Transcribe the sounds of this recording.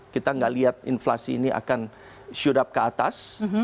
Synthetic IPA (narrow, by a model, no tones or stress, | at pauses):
kit̪aŋɡaʔliat̪̚ḭnflasiːniʔa̰kan | ʃuɾap̚kəat̪as